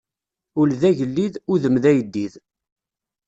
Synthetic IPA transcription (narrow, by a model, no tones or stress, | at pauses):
ʊlðæʝəlːiðʊðəmðæjəd̪ːið